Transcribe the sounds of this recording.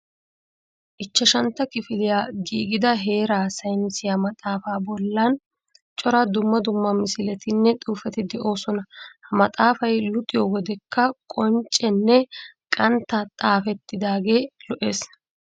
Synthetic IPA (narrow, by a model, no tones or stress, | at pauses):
ʔɪt͡ʃːɐʃɐnt̪ːɐkɪfɪlɪjaːɡiːɡɪd̪ɐɦe̞ːɾaːsɐjnɪsɪjamɐt̪ʼaːfaːbɔlːɐn | t͡ʃʼɔɾɐd̪ʊmːɐd̪ʊmːɐmɪsɪlɛt̪ɪnːɛt̪ʼuːfɛt̪ɪd̪ɛʔo̞ːsɔnɐhɐmɐt̪ʼaːfɐjlʊt̪ʼɪjowɔd̪ɛkːɐkʼɔnt͡ʃʼːɛnːɛ | kʼɐnt̪ːat̪ʼaːfɛt̪ːɪd̪aːɡe̞ːlɔʔe̞ːs